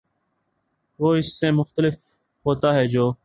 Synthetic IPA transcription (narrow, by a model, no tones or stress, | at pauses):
ʋoːɪsːeːmʊxt̪əlɪf | ɦoːt̪aːɦɛːd͡ʒoː